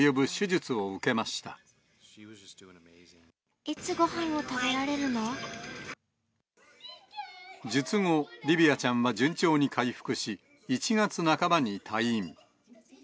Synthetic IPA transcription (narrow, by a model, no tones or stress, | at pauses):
jobɯ̟ɕɨʑɨt͡sɨo̞ɯke̞maɕi̥t̪a̰ | iwʌzd͡ʒʌsd̥ʉɪ̃ŋəmeɪzɪ̃ŋ | it͡sɨɡo̞hãɰ̃o̞t̪abe̞ɾaɾe̞ɾɯ̟no̞ | d͡ʑɨt͡sɨŋo̞ɾʲibʲiat͡ɕãɰ̃βad͡ʑɨ̃ɲ̟t͡ɕo̞ːɲ̟ikʰaiɸɯ̥kɯ̟ɕiː | t͡ɕiŋat͡sɨnakabaɲ̟it̪ʰaim